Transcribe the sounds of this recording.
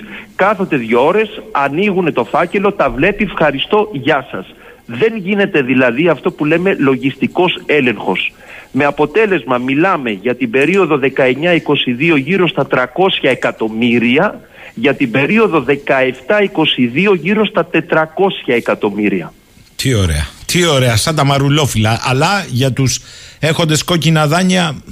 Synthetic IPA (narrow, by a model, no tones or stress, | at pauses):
kɐθot̪e̞ðʝoo̞ɾe̞sɐniɣune̞t̪o̞fɐce̞lo̞t̪ɐvle̞pifxɐɾist̪o̞ʝɐsɐ̰s | ðe̞ŋʝine̞t̪e̞ðilɐðiɐft̪o̞pule̞me̞lo̞ʝist̪iko̞se̞le̞ŋxo̞s | me̞ɐpo̞t̪e̞le̞zmɐmilɐme̞ʝɐt̪ibe̞ɾio̞ðo̞ðe̞kɐe̞ɲɐiko̞siðio̞ʝiɾo̞st̪ɐt̪ɾɐko̞sçɐe̞kɐt̪o̞miɾiɐ | ʝɐt̪ibe̞ɾio̞ðo̞ðe̞kɐe̞ft̪ɐiko̞siðio̞ʝiɾo̞st̪ɐt̪e̞t̪ɾɐko̞sçɐekɐt̪o̞miɾiɐ | t̪ʰio̞ɾe̞̰ɐt̪ʰio̞ɾe̞ɐst̪ɐt̪ɐmɐɾulo̞filɐʔɐlɐʝɐt̪usexo̞nd̪e̞sko̞cinɐðɐɲɐ